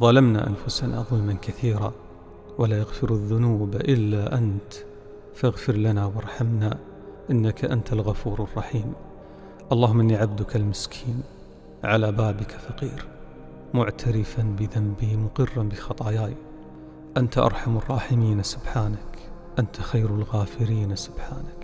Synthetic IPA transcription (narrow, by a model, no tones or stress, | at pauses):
ðˤɑlamna̰ʔa̰nfʊsana̰ðˤʊlmankaθiːɾa | walajaɣfɪɾaðːʊnuːbʔɪlːaʔant̪ | faɣfɪɾlanawɑɾˤħamna | ʔɪnːakaʔant̪alɣafuːɾɑrˤːɑħiːm | ʔɑlˤːɑːhʊmːʔɪnːiʕab̚d̪ʊkalmɪskʰiːn | ʕalabaːbɪkafɑqiːɾ | mʊʕt̪ʰaɾɪfanbɪðambimʊqɨrːanbɪxɑt̪ˤɑjaːj | ʔant̪aʔɑ̰ɾˤħamɑrˤːɑːħɪmiːnsʊbħaːnak | ʔant̪axajɾalɣaːfɪɾiːnsʊb̥ħaːnak